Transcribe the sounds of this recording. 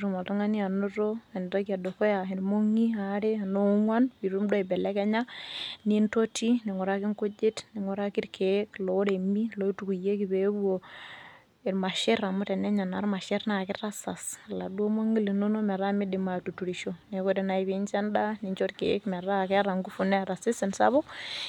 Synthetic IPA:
ɾu˨ma˨lto˦ŋa˦ni˦a˨no˦ɾo˦a˨n˨ta˦ki˦a˨do˨ko˦ja˨i˨ɾmo˦ŋi˦a˨˦ɾe˦a˨no˦ŋwa˦npi˨ɾu˦mdo˦i˨bɛ˨lɛ˦kɛ˦ɲa˦ni˦nto˦ti˦ne˨ŋo˨ɾa˦ki˦ŋko˦d͡ʒe˦tne˨ŋo˨ɾa˦ki˦ɾkʰe˨˦klo˨o˦ɾe˨mi˦lo˦i˦tu˨ku˨je˦ki˨βe˨˦βu˦o˨ | i˨ɾma˨ʃe˦ɾa˨mʊ˦tɛ˨nɛ˦ɲa˨na˨ɾma˨ʃe˦ɾna˨kɪ˦tra˦sa˨sla̰˨du˦o˦mo˦ŋi˦le˨no˦no˦mɛ˨ɾa˦mɪ˦di˨ma˨tu˨tu˨ɾiʃo˨ne˨ko˦tɛ˨na˨iβent͡ʃɛ˦nda˦ni˨ɲt͡ʃo˦ɾke˦kmɛ˨ɾa˦kɛ˦ɾa˨ŋɡu˦fu˨nɛ˦˨ɾa˨sɪ˦sɛ˨nsa̰˦βɔ˦k

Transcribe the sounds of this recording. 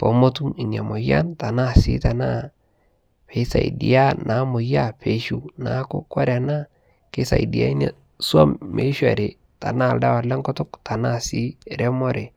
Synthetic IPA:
po˨mo˦tu˦i˨ɲa˨mo˨ja̰˦nta˨na˦sɪ̰˦ta˨na˦ | pe˨˦sa̰˨ḭ˨dḭ˨a˦nʔa˨˦mo˨ja˦˨pe˨ʃu˦na̰˨˦ko̰˦kɔ˦ɾa˨na˦ | ke˦sa̰˨i˨di˨a̰˦i˦na˦ | swa˦mmḛ˨˦ʃwa̰˨ɾe˨ | ta̰˨na˦˨lda˦wa˨lɛ˦ŋkɔ˦tʊ˦kta˨na˦si˦ɾɛ˦mɔ˦ɾe˨

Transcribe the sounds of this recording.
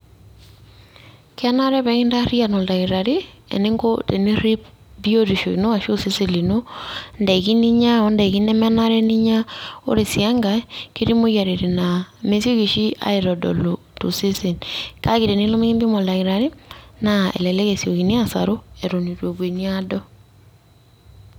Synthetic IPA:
ka˦na˦ɾɛ˦βɛ˨ɣi˦nda˦ɾi˦a˨nɔ˨la˨ɣiɾa˨ɾe˦ | ɛ̰˨ne˦ŋɡote˨ni˦ɾi˦p | bi˦o˦ɾi˨ʃo˨i˨no˦a˨ʃo˦se˦se˦li˨no˦nda˨i˨ɣi˦ni˦ɲa˦ɔ˦nda˨i˨ɣi˦nɛ˦mɛ˦na˦ɾɛ˦ni˦ɲa˦o̰˦ɾe˨sja˦ŋɡa˦ke˦ɾi˦moɣja˨ɾeɾename˦sjo˦ɣi˨ʃi˦a̰˦eɾɔdɔ̰˨lo | to˨se˦se˨nka˦ɣiɾe˨ni˦lo˦me˦ɣi˦mbi˦mo˨laɣiɾaɾe˦naɛ̰˨lɛ˨lɛ˦ɣɛ˨sjo˨ɣi˨ni˦a˦sa̰ɾo˦ɛ˨ɾo˨ni˨ɾo˨βwe˨ni˦adɔ˦

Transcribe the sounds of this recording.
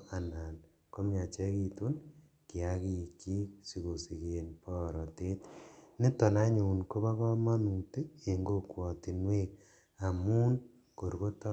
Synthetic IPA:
a˨na˨n | ko˦mɲa˨t͡ʃɛ˦ki˦tu˦n | ki˨a˦ki˦i˨kːi˦k̚si˨ko˨si˨ke˨npɔ˦˨ɾɔ˨te˦tne˦tɔ˨na˦ɲu˨u˨nko˦ba˦ka˦ma˦nu˨te˦e˨ŋɡo˦kwɔ˨ti˨nwe˦k̚ | a˨mu˦n | ko˨ɾko˦ta˦

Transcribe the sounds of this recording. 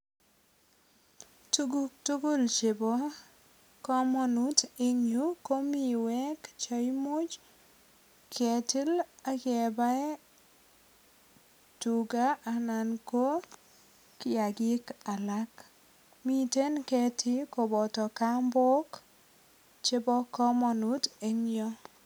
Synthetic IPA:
tu˦ɡuk̚tu˦ɡu˦lt͡ʃe˨bo˦ | kɔ˦mɔ˦nu˦tɪ˦ɲu˦ko˦mi˨wɛ˦kt͡ʃɔ˦jmo˦d͡ʒ | kʰe˨ti˦la˦kɛ˨ba˦ɛ˦ | tu˨ɡa˦ʔa˨na˨nko˦ | kɪ˦a˨ɡɪ˦ka˨la˦k | mi˦˨te˦nkɛ˨tʰɪ˦ko˨bɔ˨tɔ˨ka˦mbɔ˦k | t͡ʃe˦bɔ˦kɔ˦mɔ˨nu˦te˦ɲ˦ɔ˦

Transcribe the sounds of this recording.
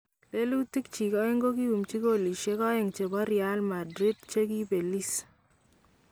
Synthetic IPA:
le˦lu˦ti˦k̚t͡ʃi˨kɔ˦e˦ŋɡo˦ki˦u˨mt͡ʃi˦koli˨ʃe˦kɔ˦e˨ŋt͡ʃe˨bɔ˦ɾjalma˨dɾi˦dt͡ʃe˦ki˦pe˨li˦s

